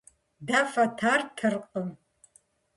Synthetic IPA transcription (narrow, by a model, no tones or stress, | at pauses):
dafɐtʰartʰɨrqʼəm